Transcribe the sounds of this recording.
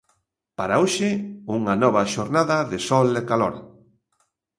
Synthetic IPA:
paɾaoʃɪuŋɐnɔβɐʃoɾnaðɐðɪsɔlekalɔɾ

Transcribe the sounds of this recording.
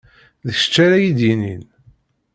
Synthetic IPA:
ðəʃə̥t͡ʃːaɾæjid̪jinin

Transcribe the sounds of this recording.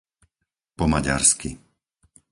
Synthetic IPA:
pɔmaɟa̰ɾski

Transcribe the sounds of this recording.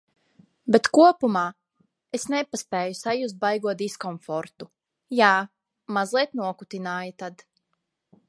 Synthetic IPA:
bet̪kuɔpumaː | esnepaspɛːjusajusbajɡuɔt̪d̪iskɔɱfɔɾt̪u | jaː | mazlˠiɛt̪nuɔkut̪inaːjat̪ad̪

